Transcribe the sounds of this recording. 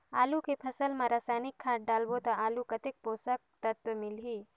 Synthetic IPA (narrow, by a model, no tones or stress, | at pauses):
aːlukepʰɐsəlmãɾaːsaːnɪkʰːaːʈ̚ɖaːlbot̪ɐaːlukɐt̪ɪk̚poːsək̚t̪ɐt̪wəmɪlɦiː